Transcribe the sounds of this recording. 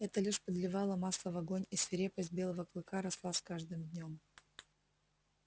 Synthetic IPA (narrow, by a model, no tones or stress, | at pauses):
ɛt̪əlʲɪʂpəd̪lʲɪvɑlˠəmaslˠəvɐɡonʲisvʲɪɾʲepəsʲt̚ʲbʲe̞lˠəvəklˠɨkaɾɐslˠaskaʐd̪ɨmd̪ʲnʲo̞m